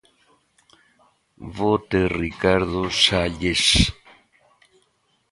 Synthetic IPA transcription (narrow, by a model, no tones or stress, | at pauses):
βot̪erikaɾðosaʎes